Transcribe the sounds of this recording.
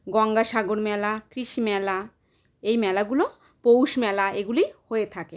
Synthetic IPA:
ɡɔŋɡaʃaɡoɾmɛlakɾiʃimɛla | ejmɛlaɡulo | powʃmɛlaʔeɡulihoet̪ʰake

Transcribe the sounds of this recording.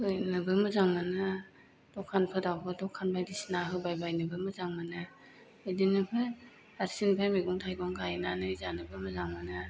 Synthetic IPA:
ɯjnɯbɯmɯzaŋmanɯ | dɔkʰːanpʰɯdawpʰɯdɔkʰːanbajdisnaɦɯbajbajnɯbɯmɯzaŋmanɯː | jdinɯpʰɯ | aɾsinpʰajmiɡɔŋtʰajɡɔŋɡajnanɯjzanɯbɯmɯzaŋmanɯ

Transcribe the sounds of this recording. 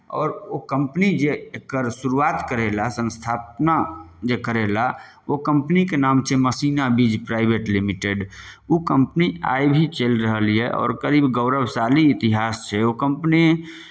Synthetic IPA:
ɔːɾokəmpnid͡ʒeekːəɾsuɾuat̪kəɾelasə̃nst̪ʰap̚nad͡ʒekəɾela | okəmpnikenaːmt͡ʃʰɛməsinabid͡ʒpɾaɪbʱeʈlimiʈeɖukəmpnia̰jbʱit͡ʃelɾəɦəlijeʔɔ̰ːɾkəɾiːbɡəʊɾəbsaliːt̪iɦast͡ʃʰɛokəmpni

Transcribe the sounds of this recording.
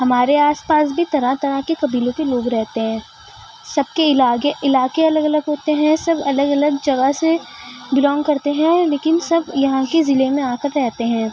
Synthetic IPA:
ɦɐmaːɾeaːspaːs̬bʱit̪ɐɾãt̪ɐɾãkekɐbiːlõkeloːɡɾɛɦt̪eɦɛ̃ː | sɐb̚keɪlaːeɪlaːkeɐləɡɐləɡɦoːt̪eɦɛ̃sɐbɐləɡɐləɡd͡ʒɐɡəsebɪlɔ̃ːŋɡkɐɾt̪eɦɛ̃ːleːkɪnsɐbjɐɦãkezɪlemẽaːkəɾːɛɦt̪eɦɛ̃ː

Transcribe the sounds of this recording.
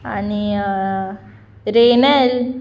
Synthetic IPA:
a̰ni | ɾeːnɐl

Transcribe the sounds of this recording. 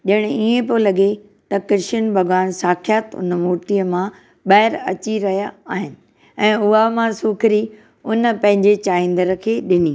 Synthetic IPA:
ʄɐɪɽ̃̆iẽpolɐɠe | t̪ɐkɪɾɪʃənbʱɐɡʋaːnsaːkʰijat̪ʊ̰nmoːʈijəmã | ɓɐɦɪɾɐt͡ɕiɾɐɦijaːɦɪnɪ̆ | ɛ̃ːʊamãsuːkʰɾi | ʊnəpɐ̃ɦɪ̃ɲd͡ʑet͡ɕaːĩn̆d̪əɾkʰeːɗɪniː

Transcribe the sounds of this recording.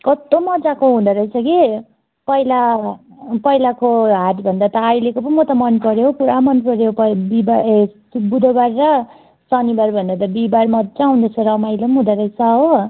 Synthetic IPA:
kʌt̪ːomʌd͡zakoɦũd̪ʌɾʌjt͡sʰʌki | pʌjla | pʌilakoɦaʈbʱʌnd̪at̪ʌːjlekopʌmʌt̪ʌmʌnpʌɾeɦokuɾamʌnpʌɾeopʌbiba | bud̪ʱʌbaɾɾʌ | sʌnibaɾbʱʌnd̪at̪ʌbibarmʌd͡zaũw̃nd̪ʌt͡sʰʌɾʌmajlʌmɦũd̪ʌɾʌjt͡sʰʌɦo

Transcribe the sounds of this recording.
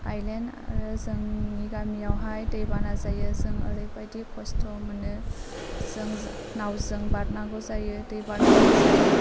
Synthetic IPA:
ajlena̰ɾɯzɯŋːiɡamijawɦajdɯjbanazajɯzɯŋə̰ɾɯjpajdikʰɔstɔmɯnɯ | zɯŋ | nawzɯŋbaɾnaɡɔzajɯdɯjbanaɡazɯ

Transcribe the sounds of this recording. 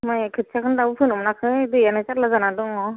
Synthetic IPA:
majkʰɯt̚t͡ʃʰakʰɯndabɯpʰɯnɯmnakʰɯdɯjanɯt͡ʃaɾlazanadɯŋɔ

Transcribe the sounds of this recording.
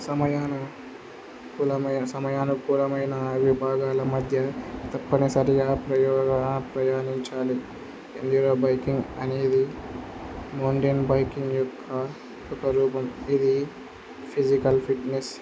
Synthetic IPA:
sɐmɐjaːnɐ | kulɐmɐjsɐmɐjaːnukuːlɐmɐjnɐʋibʱaːɡaːlɐmɐd̪ʱjɐt̪ɐpːɐnesɐɾiɡaːpɾɐjɔːɡɐnapɾɐjaːniɲt͡ʃaːli | ḛnd̪iɾoːbɐjkiŋɡɐne̞ːd̪i | moːɳɖijɐnbɐjkiŋɡjɔkʰːɐ | ɔkɐɾuːpɐmid̪i | pʰid͡ʒikɐlpʰiʈnes

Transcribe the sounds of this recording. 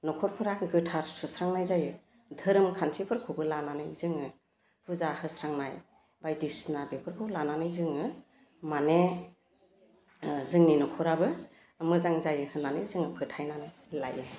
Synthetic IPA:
nɔkʰɔɾpʰɯɾakɡɯtʰaɾsusɾaŋnajzajɯ | dʱɯɾɯmkʰantʰipʰɯɾkʰubɯlananɯjzɯŋɯ | pʰuzahɯsɾaŋnaj | bajdisnabepʰɯɾkʰɯblananɯjzɯŋɯ | mane | zɯŋninɔkʰɔɾabɯ | mɯzaŋzajɯhɯnanɯjzɯŋɯpʰɯtʰajnanɯ | la̰jɯ

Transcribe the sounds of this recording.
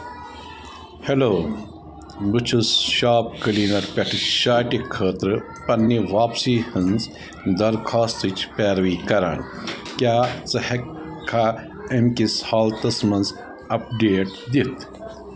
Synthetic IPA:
heloː | bɨt͡ʃʰusʃaːp̚kɐliːnɐɾpʲɐʈʰɨʃaːʈikʰəːt̪ɾɨ | pɐnːiʋaːpsiːhɨnz | d̪ɐɾkʰaːst̪it͡ʃʰpeːɾʋiːkɐɾa̰ɳ | kʲaːt͡sɐhekʰːa | emkishaːlt̪ɐsmɐnz | ɐp̚ɖeːʈ̚d̪it̪ʰ

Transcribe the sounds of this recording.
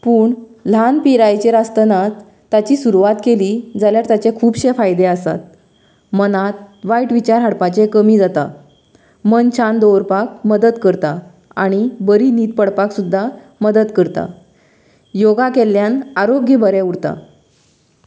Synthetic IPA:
puːɳlanpiɾajt͡ɕeɾast̪ənat͡sː | at͡ɕiːsuɾuʋat̪keliːd͡zaljaɾt̪at͡ɕekʰuːbɕefajd̪easa̰t̪ | mənat̪̚ʋajʈʋit͡ɕaɾɦaɽpat͡ɕekəmiːd͡zat̪a̰ | mənt͡ɕʰand̪owɾpak̚məd̪əd̪kəɾt̪a | aɽ̃ibəɾiniːt̪̚pəɽpaksud̪ʱːa | məd̪əd̪kəɾt̪a̰ | joɡakeljanaɾoɡjəbʱəɾɛuɽt̪a̰

